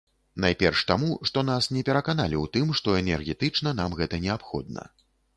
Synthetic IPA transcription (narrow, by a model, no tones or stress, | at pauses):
najpʲɛrʂt̪amuʂt̪ɔnasnʲɛpʲɛɾɐkan̪alʲiwt̪ɨmʂt̪ɔɛnʲɛrɣʲɛt̪ɨt͡ʂnɐn̪amɣɛt̪ɐnʲɛapxɔ̰d̪̚nɐ̰